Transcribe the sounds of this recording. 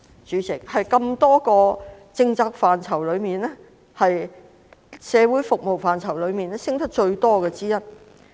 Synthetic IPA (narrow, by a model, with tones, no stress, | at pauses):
t͡ʃyː˨˥t͡sɪ˨k̚hɐ˨jkɐ˧mt̪ɔː˥kɔː˧ | t͡sɪ˧ŋt͡saː˧k̚faː˨˩nt͡sʰɐ˨˩wlɵ˨˧ɥmiː˨nɛ˥ | hɐ˨j | sɛː˨˧wuː˨˥jfʊ˨k̚mo˨wfaː˨˩nt͡sʰɐ˨˩wlɵ˨˧ɥmiː˨˩nɛ˥sɪ˥ŋt̪ʰk̚t͡ʃɵ˧ɥt̪ɔː˥kɛː˧t͡siː˥jɐ˥t̚